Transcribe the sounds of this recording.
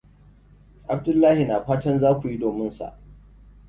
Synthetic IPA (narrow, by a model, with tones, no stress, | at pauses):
ʔa˨b̚dʊ˦lːaː˦hi˨naː˨ɸaː˦tɐ˦nzaː˦kʷu˨ji˦doː˨mɪ˦nsa̰˨ʔ